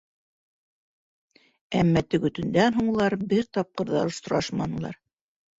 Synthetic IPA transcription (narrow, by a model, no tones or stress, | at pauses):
æmːæt̪ɵ̆ɡɵ̆t̪ɵ̆nd̪ænɦuɴlˠɑɾbɘɾt̪ɑp̚qɤ̆ɾðɑŏʃt̪ŏɾɑʃmɑnɤ̆lˠɑ̰ɾ